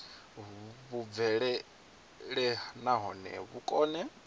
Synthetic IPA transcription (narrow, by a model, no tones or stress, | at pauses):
βuvɛɺɛ | ɺɛnaɦɔnɛ̰βukʼɔːnɛ